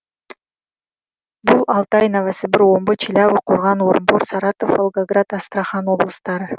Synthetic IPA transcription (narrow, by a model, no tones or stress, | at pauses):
bulˠɑlˠt̪ɑjnavasɨbɪɾombɨt͡ʃʰɪlʲaβɨqʰoɾʁɑnoɾmboɾsɑɾɑt̪ofəlˠɡoɡrat̪ɑst̪rɑχɑno̞blˠəst̪ɑɾɯ